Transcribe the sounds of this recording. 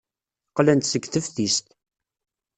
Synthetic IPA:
qlænt̪səɡθəfθist̪

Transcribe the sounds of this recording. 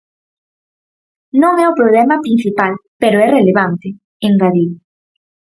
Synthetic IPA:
nõŋɛopɾoβlɛmapɾinθipalpeɾoɛreleβant̪e | eŋraðiw

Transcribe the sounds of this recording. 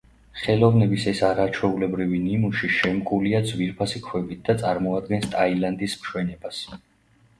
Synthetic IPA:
χɛlˠɔvnɛbisɛsaɾat͡ʃʰwɛulɛbɾivinimuʃiʃɛmkʼuliad̪zviɾpʰasikʰwɛbit̪̚ʰd̪at̪sʼaɾmɔad̪̚ɡɛnst̪ʼailand̪ismʃwɛnɛbas

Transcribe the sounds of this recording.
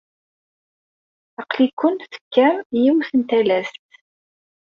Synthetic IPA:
ɑqlikʷːʊnt̪θə̥kːæmjiwθənt̪ælæst̪

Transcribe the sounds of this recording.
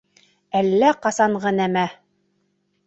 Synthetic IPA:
ælːæqɑsɑɴʁɤnæmæ

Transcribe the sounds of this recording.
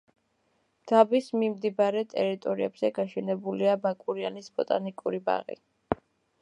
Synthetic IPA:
d̪̥abismimd̪ibaɾɛt̪ʼɛɾit̪ʼɔɾiɛbz̥ɛɡaʃɛnɛbuliabakʼuɾianisb̥ɔt̪ʼanikʼuɾiba̰ʁḭ

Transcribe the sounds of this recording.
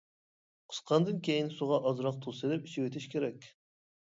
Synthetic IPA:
qʰə̥sqʰɑnd̪ɨnkʲʰejinsuʁɑʔɑzɾɑq̚t̪ʰusɨlɪpi̥ʃʰiwet̪ʰɪʃkʲeɾɛkʲ

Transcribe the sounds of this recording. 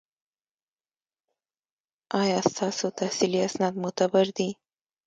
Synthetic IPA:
ɑjɑst̪ɑsot̪ahsiliasnɑd̪mʊt̪abaɾd̪i

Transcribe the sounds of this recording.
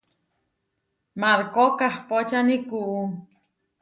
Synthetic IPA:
maɾkokahpot͡ʃanikuʔu

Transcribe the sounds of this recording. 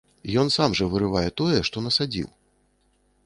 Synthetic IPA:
jɔnsamʐɐvɨɾɨvajɛt̪ɔjɛʂt̪ɔnɐsad͡zʲḭw

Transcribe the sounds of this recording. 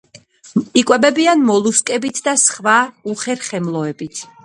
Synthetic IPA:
ikʼwɛbɛbianmɔlˠuskʼɛbit̪ʰd̪asχvauχɛɾχɛmlˠɔɛbit̪ʰ

